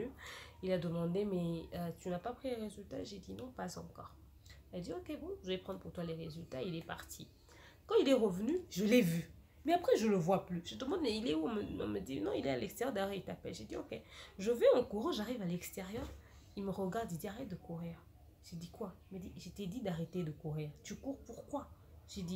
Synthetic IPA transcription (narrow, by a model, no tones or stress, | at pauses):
yilad̪əmɑ̃d̪emɛət̪ynapapχileʁezylt̪aeʒed̪inɔ̃pazɑ̰̃kɔ̰ːʁ | iad̪iokʲebɔ̃ʒəvɛpχɑ̃d̪ʁpuʁt̪waleʁezylt̪aeilɛpa̰ʁt̪ʰḭ | kɑ̃ilɛʁəvənyʒəlɛvy | mɛapχɛʒələvwaplyʒ̥əd̪əmɑ̃d̪mɛilɛuɔ̃mə̰̃məd̪inɔ̃ilɛalɛkst̪eʁjœʁd̪ajɔʁilt̪apɛlʒed̪iokʲḛʒəvɛɑ̃kuʁɑ̃ʒaʁivalɛkst̪eʁjœːʁ | ilməʁəɡaʁd̪ild̪iaʁɛt̪̚d̪əkuʁiːʁ | ʒed̪ikwaiməd̪iʒet̪ɛd̪id̪aʁet̪ed̪əkuʁiːʁt̪ykuʁpuʁkwa | ʒed̪i